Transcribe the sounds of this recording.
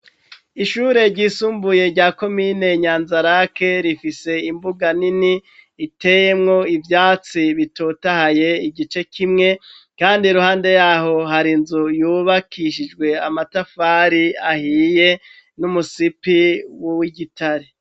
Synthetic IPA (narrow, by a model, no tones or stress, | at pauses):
iʃuːɾe̞ɾɟiːsuːmbuje̞ɾɟaːko̞miːne̞ɲaːnzaɾake̞ɾifise̞imbuɡaniniː | te̞je̞mŋo̞ivjaːt͡siβitotahaje̞iɡit͡ʃe̞kʰimŋe̞ | kaːndiɾuhaːnde̞jaːɦo̞ɦaɾinzujuːβakʰiʃid͡ʒɡwe̞amatafaːɾiahiːje̞ | numusipiwowiɡitaɾe